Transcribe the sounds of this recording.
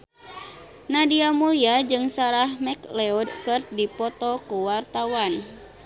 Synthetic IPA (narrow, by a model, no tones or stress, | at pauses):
nadiamujad͡ʒɨŋsaɾahmɛklɛɔdkɨrdipɔt̪ɔkuwart̪awan